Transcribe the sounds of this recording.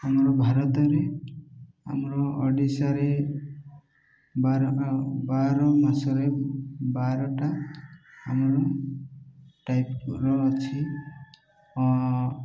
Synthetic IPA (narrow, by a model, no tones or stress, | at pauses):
amɾɔbʱaɾɔt̪ɔɾe | a̰mɾɔɔɖisaɾe | baɾbaɾɔmasɔɾebaɾɔʈa | amɔɾɔ | ʈajpɾɔːt͡ʃʰi | ɔ